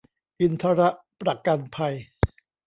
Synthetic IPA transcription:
kɯ˧nt̪ʰa˦˥ɾa˦˥ʔ | pɾa˧˩ka˧npʰa˧j

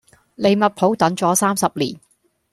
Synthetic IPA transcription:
le˨˧jmɐ˨t̚pʰo˨˥wt̪ɐ˨˥ŋt͡sɔː˨˥saː˥msɐ˨p̚lḭː˨˩n

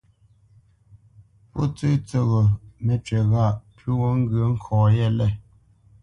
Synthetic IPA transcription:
pɔ̰˦t͡sə˦t͡sə˨ɣo˨mɛ˨t͡ʃɥɛ˨ɣa˦˨ʔpʉ˦ɣo˦ŋ̩˦ɡɥə˨˦ŋ̩˦˨kʰɔ̃ː˨jɛ˦˨lɛ˦˨

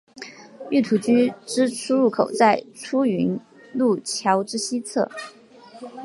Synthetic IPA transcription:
y˥˩t̪ʰu˧˥t͡ɕy˥ʈ͡ʂɻ̩˥ʈ͡ʂʰu˥ɻu˥˩kʰo˨˩ʊt͡sa˥˩ɪʈ͡ʂʰu˥y˧˥n | lu˥˩t͡ɕʰjɑ˧˥ʊʈ͡ʂɻ̩˥ɕi˥t͡sʰɤ̰˥˩

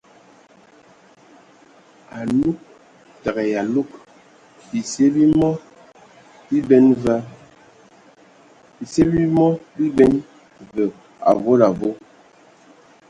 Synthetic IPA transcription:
a˨lu˦k̚ | ta˨ɣɛ˨ja˨lu˦k̚ | bi˨se˦bi˦mɔ˦ | bi˦bɛ˦nva˦ | i˨se˦bi˦mɔ˦bi˦bɛ˦n | və˨ | a̰˨vo˦la˨vo˦

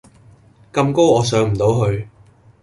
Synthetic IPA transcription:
kɐ˧mko˥wɔː˨˧s̬œː˨˥ŋm̩˨˩t̪o˨˧wɦɵ˧ɥ

